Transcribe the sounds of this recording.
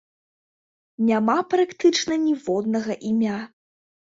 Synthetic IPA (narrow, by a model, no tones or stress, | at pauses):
nʲamapɾakt̪ɨt͡ʂnɐnʲivɔd̪̚nɐɣɐʔimʲa